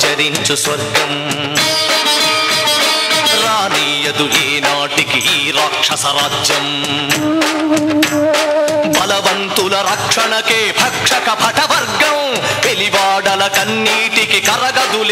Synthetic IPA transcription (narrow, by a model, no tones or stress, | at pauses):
d͡ʒɐɾiɲt͡ʃusʋɐɾɡɐm | ɾaːniːjɐd̪uleːnaːʈikiɦiɾaːkʂɐsɐɾaːd͡ʒjɐm | bʱɐlɐʋɐnt̪ulɐɾɐkʂɐɳɐkeːbʱɐkʂɐkɐpʰɐʈʰɐbɐɾɡɐwpeliʋaːɖɐlɐkɐnːiːʈikikɐɾɐɡɐd̪ul